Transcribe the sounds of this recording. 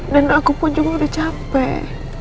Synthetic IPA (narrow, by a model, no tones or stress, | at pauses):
danoakupʊnd͡ʒuɡakdat͡ʃapɛ